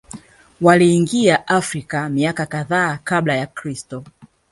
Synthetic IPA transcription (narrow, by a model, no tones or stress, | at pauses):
waliːŋɡiaʔafɾikamiakakaðaːkaɓlajakɾistɔ